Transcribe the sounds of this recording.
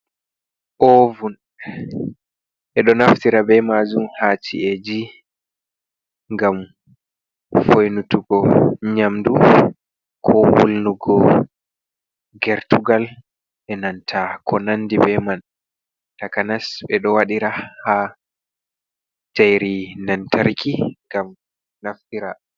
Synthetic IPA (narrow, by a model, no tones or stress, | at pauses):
ʔovun | ʔɛɗɔnaftiɾabɛmad͡ʒumhaːt͡ʃḭɛd͡ʒi | ŋɡam | fojnutuɡɔɲamdu | kʰɔwo̰lnuɡɔ | ɡɛɾtuɡal | ʔɛnantʰakʰɔnanːdibɛman | takanasbɛɗɔwaɗiɾaha | tajɾinantʰaɾkʰiŋɡam | naftiɾa